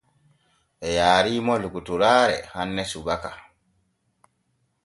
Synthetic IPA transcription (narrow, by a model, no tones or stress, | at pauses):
ʔɛjaːɾiːmɔlukutuɾaːɾɛhanːɛsubaka